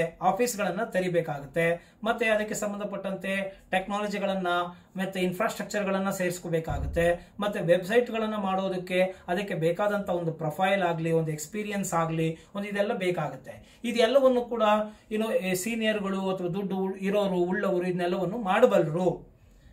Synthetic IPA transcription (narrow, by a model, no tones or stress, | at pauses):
aːpʰiːsɡɐɭɐnːɐt̪ɐɾibeːkaːɡut̪ːe̞ | mɐt̪ːeɐd̪ɐkːe̞sɐmbɐnd̪ʱɐpɐʈːɐnt̪e̞ʈeknaːlɐd͡ʒiɡɐɭɐnːɐ | mɐt̪ːeinpʰɾaːsʈɾɐk̚t͡ʃɐɾɡɐɭɐnːɐseːɾiskoːbeːkaːɡut̪ːe̞mɐt̪ːuʋebsɐjʈɡɐɭɐnːɐmaːɽoːd̪ɐkːe̞ɐd̪ɐkːe̞beːkaːd̪ɐnt̪ɐond̪upɾɐpʰɐjlaːɡliond̪ue̞kspiːɾijɐnsaːɡliond̪uid̪ɛlːɐbeːkaːɡut̪ːe̞ | id̪ɛlːɐʋɐnːukuːɽɐinːusiːnijɐɾɡɐɭuɐt̪ʰɐʋɐd̪uɖːuiɾoːɾuuɭːɐʋɐɾuid̪nɛlːɐʋɐnːumaːɽbɐlɐɾu